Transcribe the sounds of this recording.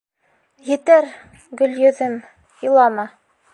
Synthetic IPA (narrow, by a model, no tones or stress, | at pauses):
jɘ̆t̪æɾ | ɡɵ̆ljɵ̆ðɘm | ilˠɑmɑ